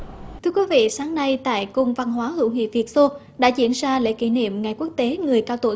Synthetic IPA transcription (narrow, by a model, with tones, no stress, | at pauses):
t̪ʰɨ˧əkwi˨˦vḭ˧˨saː˨˦ŋna˧jt̪a̰ː˧˨jkʊ˧ŋ͡mva˧nɦwaː˨˦hɨ̰˧˥˨wŋḭ˧˨vi˨˩ət̚so˧ | ɗa̰ː˧˥t͡ɕḭ˧˩ənzaː˧lḛ˧˥ki˧˩nḭ˧˨əmŋa˨˩jku˦˥ək̚t̪e˨˦ŋɨ˨˩əjkaː˧wt̪o̰˧˩˨